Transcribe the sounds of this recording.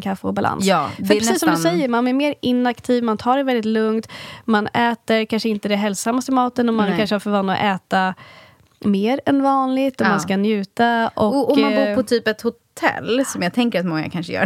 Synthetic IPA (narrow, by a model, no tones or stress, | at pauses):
kʰafːəɔbalʔa̰njsɑːfœɾɾsiːsːɔmd̪sɛjːəɾmanæɾmeːɾɪnakt̪ʰiːvmant̪ʰɑːɖɛvɛld̪ɪt̪lɵŋt̪manɛːt̪əɾkʰanʂəɪnt̪əd̪ɛɦɛlsamːast̪ɪmɑːt̪ənɔmankanʂəhaɾfœɾvanad̪ɔ̰ʔɛːt̪a | meːɾɛnvɑːnlɪt̪ɔmanskanjʉ̟ːt̪aʔɔɔmmanbuːpʰɔtt̪ʰyːpɛt̪hʊt̪ʰɛ̰lːsɔmjɑːɡ̚t̪ʰɛŋkəɾat̪mɔŋːa̰kʰanʂəjœ̰ː